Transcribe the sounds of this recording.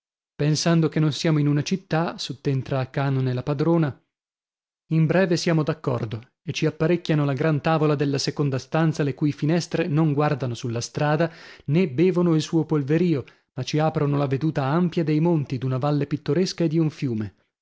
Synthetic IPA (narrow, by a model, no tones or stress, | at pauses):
pensand̪okenːonsjaːmoinunat͡ʃit̪ːasut̪ːent̪ɾaːkːaːnonelːapad̪ɾoːna | imbɾɛːvesjaːmod̪akːɔ̰rd̪o | et͡ʃːiapːaɾekʲːanolaɡɾant̪aːvolad̪elːasekond̪ast̪ant̪salekuːjfinɛst̪ɾenoŋɡward̪anosulːast̪ɾaːd̪anebeːvonoilsuːopolveɾiːo | mat͡ʃːiaːpɾonolaved̪uːt̪aampjad̪ejmont̪id̪unavalːepit̪ːoɾeskaed̪iuɱfjuːme